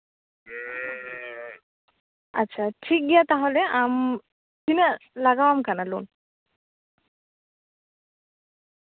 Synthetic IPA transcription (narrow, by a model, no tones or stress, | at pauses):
a̰tːɕʰaʈʰik̚ɡiat̪aɦoleam | sinalaɡaamkanalṵn